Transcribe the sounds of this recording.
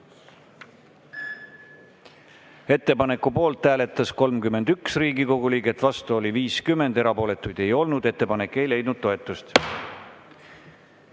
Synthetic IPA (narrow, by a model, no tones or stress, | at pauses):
e̞t̪ːe̞pɑne̞kːupo̞ːlt̪ːæːle̞t̪ːˑɑsko̞lmkyme̞nd̪̥yksriːɡiko̞ɡuliːɡe̞t̪ːˑvɑst̪uo̞liviːskymːe̞nd̪e̞ɾɑpo̞ːle̞t̪ːˑujd̪̥e̞jo̞lnud̪̥e̞t̪ːe̞pɑnekːˑe̞jle̞jd̪nud̪̥̚t̪o̞e̞t̪ːˑust̪